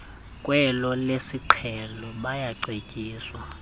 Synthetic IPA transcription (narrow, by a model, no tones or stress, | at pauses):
kʼwɛlɔlesiǃʰɛlɔɓajaǀekʼiːswa